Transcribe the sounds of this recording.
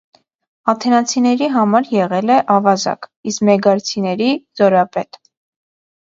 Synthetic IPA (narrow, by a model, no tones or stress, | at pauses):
ɑt̪ʰɛnɑt͡sʰinɛɾiɦɑmɑɾjɛʁɛlɛʔɑvɑzɑ̰kiskmɛɡɑɾt͡sʰinɛɾizɔɾɑpɛt̪